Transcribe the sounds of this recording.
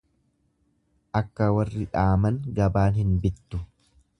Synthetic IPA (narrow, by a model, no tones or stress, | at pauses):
ʔɐkːɐwɐrːɪᶑaːmɐŋɡɐbaːnhɪnbɪt̪ːʊ